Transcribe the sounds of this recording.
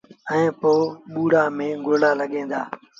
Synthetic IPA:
ɛ̃ːpoːɓuːɽaːmẽːɡoːlaːləɠẽːd̪aː

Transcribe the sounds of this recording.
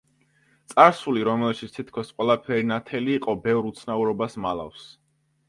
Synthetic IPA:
t̪sʼaɾsuliɾɔmɛlʃit̪st̪ʰit̪̚ʰkʰɔsqʼwɛlˠapʰɛɾinat̪ʰɛliːqʼɔbɛvɾut̪sʰnauɾɔbasmalˠa̰fs

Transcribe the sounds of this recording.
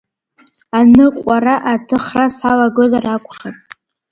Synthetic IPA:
anɨqʷʼaraʔatʰɨχrasalaɡozarakʷʼχatʼ

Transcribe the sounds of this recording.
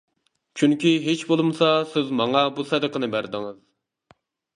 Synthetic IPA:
t͡ʃʰyŋkʲiɦet͡ʃbolˠɨmsɑsɪzmɑŋɑbusɛd̪əqənɨbæɾd̪ɪŋɨz

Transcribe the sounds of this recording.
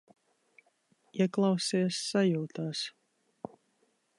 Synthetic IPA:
iɛklˠɑwsiɛsːajuːt̪aːs

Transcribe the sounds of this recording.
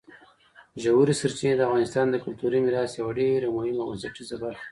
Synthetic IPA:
ʒawuɾisaɾt͡ʃined̪əafɣɑnɪst̪ɑnd̪əkʊlt̪uɾimiɾɑsjawaɖeɾamʊhɪmawazaʈizabal

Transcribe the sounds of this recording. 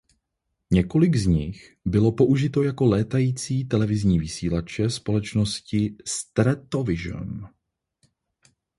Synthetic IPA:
ɲɛko̞lɪɡzɲɪx | bɪlo̞po̞ʔuʒɪt̪o̞jako̞lɛːt̪ajiːt͡siːt̪ɛlɛvɪzɲiːvɪsiːlat͡ʃɛspo̞lɛt͡ʃno̞scɪst̪ɾɛt̪ovɪʒə̰m

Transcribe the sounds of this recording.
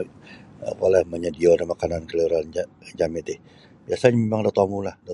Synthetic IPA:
ə̰polɛhməɲədiodamakanankəluɾand͡ʒamɪt̪ɪh | b̥iasaɲamemaŋdat̪amulahda

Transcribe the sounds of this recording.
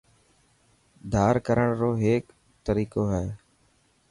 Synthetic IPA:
d̪ʱaːɾkəɾəɳɾoːɦeːk | t̪əɾiːkoːɦɛː

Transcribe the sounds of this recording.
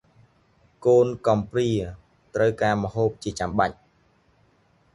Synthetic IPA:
koːnkɑmpriə | t̪rəwkaːmə̆ɦoːp̚t͡ɕiət͡ɕamɓac̚

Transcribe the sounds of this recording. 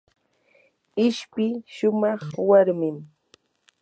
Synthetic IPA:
ɪʃpɪʃʊmɑχwaɾmɪm

